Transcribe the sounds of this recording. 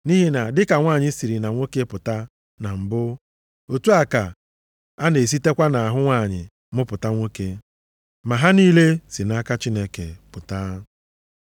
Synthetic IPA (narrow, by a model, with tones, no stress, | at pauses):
ni˦ɦi˦na˨dɪ˦ka˨ŋʷaː˦˨ɲɪ˦si˨ɾi˨na˨ŋʷo˦ke˦pʊ˨ta˦ | na˨m̩˨bʊ˦ | o˨tu˦a˨ka˨ | a˦ne˨s̬i˦te˦kʷa˦na˨a˨ɦʊ˦ŋʷa˦˨ɲɪ̰˨ | mʊ˦pʊ˨ta˦ŋʷo˦ke˦ | ma˨ɦa˦niː˦le˦si˨na˦ka˦t͡ʃi˦ne˦ke˨pʊ˨ta˦